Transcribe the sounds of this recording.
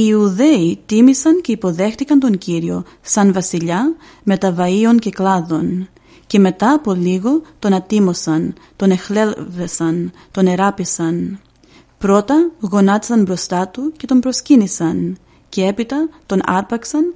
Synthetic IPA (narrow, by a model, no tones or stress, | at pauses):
iuðe̞it̪imisɐnce̞ipo̞ðe̞xt̪ikɐnt̪o̞ɲciɾio̞ | sɐnvɐsiʎɐ | me̞t̪ɐvɐio̞nce̞klɐðo̞n | ce̞me̞t̪ɐːpo̞liɣo̞t̪o̞nɐt̪imo̞sɐn | t̪o̞ne̞xle̞lvesɐn | t̪o̞ne̞ɾɐpisɐn | pɾo̞t̪ɐɣo̞nɐt̪i̥sɐnbɾo̞st̪ɐt̪uce̞t̪o̞mbɾo̞scinisɐn | ce̞e̞pit̪ɐt̪o̞nɐ̰ɾpɐksɐn